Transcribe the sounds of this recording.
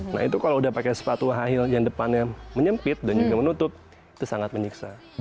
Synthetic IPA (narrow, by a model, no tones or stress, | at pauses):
na̰hit̪ukaloudahpakasə̥pat̪uwaɦaɦɪljaŋdəpanɲaməɲəmpɪt̪̚dand͡ʒuɡamənut̪ʊp̚ | it̪usaŋat̪̚məɲiksa